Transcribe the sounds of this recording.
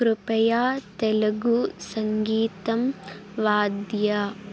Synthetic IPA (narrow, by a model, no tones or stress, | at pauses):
kɾupɐjaːt̪elɐɡusɐŋɡiːt̪ɐmʋaːd̪jɐ